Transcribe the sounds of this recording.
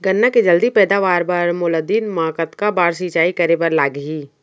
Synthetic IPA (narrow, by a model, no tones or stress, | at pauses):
ɡɐnːaked͡ʒɐld̪ipɛːd̪aʋaːɾpɐɾmʊləd̪iːnmãːkət̪kabaːɾs̬iːt͡ʃaːikɐɾepɐɾlaːɡɦiː